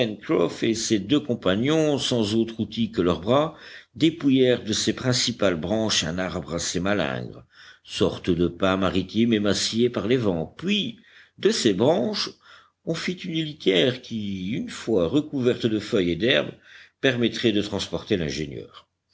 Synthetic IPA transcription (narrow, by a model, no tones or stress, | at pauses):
pɛnkχɔfesed̪økɔ̃panjɔ̃sɑ̃zot̪χut̪ikəlœʁbʁad̪epujɛʁd̪əsepχɛ̃sipalbʁɑ̃ʃɛ̰̃naʁbʁasemalɛ̰̃ɡʁsɔʁt̪d̪əpɛ̃maʁit̪jemɛmasijepaʁlevɑ̃pɥi | d̪əsebʁɑ̃ʃ | ɔ̃fit̪ynlit̪jɛʁkʲiynfwaʁəkuvɛʁt̪d̪əfœjed̪ɛʁbpɛʁmɛt̪χɛd̪ət̪χɑ̃spɔʁt̪elɛ̰̃ʒenjœ̰ːʁ